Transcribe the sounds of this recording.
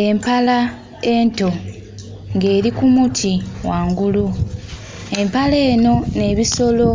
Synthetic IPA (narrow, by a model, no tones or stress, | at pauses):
e̞mpala | e̞ːnto̞ | ŋɡe̞ːɾikumutʰiwaːŋɡulu | e̞mpale̞ːno̞ne̞ːβiso̞lo̞